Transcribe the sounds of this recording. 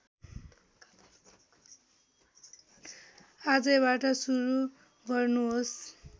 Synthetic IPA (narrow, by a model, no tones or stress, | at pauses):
ad͡zʌβaʈʌsuɾu | ɡʱʌrnuɦos